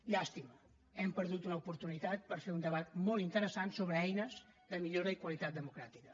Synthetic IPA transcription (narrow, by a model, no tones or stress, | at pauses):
iast̪imu | ɛmpəɾðut̪unəupuɾt̪unit̪at̪̚pəɾfeɾund̪əβat̪molˠt̪int̪əɾəsansoβɾəɛjnəz | ðəmiʎoɾəikwəlit̪at̪̚d̪əmukɾat̪i̥kə